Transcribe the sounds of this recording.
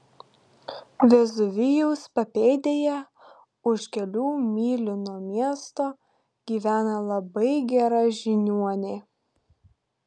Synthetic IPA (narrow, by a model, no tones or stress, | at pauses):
ʋʲɛzʊʋʲɪjɛʊspɐpʲeːd̪ʲeːjɛ | ʊʃkʲɛlʲuːmʲiːlʲɪnoːmʲiɛst̪oː | ɡ̥ʲiːʋʲæːnɐlˠɐbɐɪɡʲɛɾɑʒʲɪnʲuɔnʲeː